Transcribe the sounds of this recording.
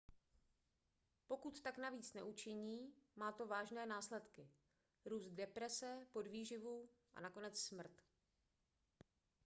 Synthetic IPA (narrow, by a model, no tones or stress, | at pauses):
po̞kut̪ːaknaviːt͡snɛ̰ʔut͡ʃɪɲiːmaːt̪o̞vaːʒnɛːnaːslɛt̪kɪ | ɾuːst̪̚dɛpɾɛsɛpo̞dviːʒɪvuːʔa̰nako̞nɛt͡ssmr̩t̪